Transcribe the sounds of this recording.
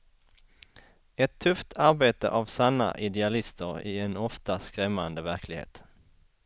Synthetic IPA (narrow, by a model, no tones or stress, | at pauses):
ɛt̪ʰːɵft̪ʰaɾbeːt̪ə̰ʔavsanːa̰ʔɪd̪ɛalɪst̪əɾɪɛnɔft̪askɾɛmːand̪əvæɾkʰlɪɡhḛːt̪